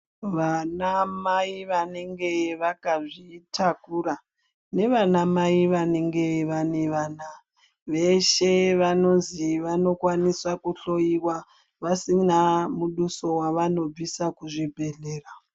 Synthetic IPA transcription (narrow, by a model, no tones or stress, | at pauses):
ʋanamaiʋane̞ŋɡe̞ʋakaʐitʰakura | ne̞ʋanamaiʋane̞ŋɡe̞ʋane̞ʋaːna | ʋe̞ʃe̞ʋano̞nziʋano̞kwaniswakuɬo̞jiwa | ʋasinamuɗuso̞waʋano̞b͡visakuʐibʱe̞ɮe̞ːra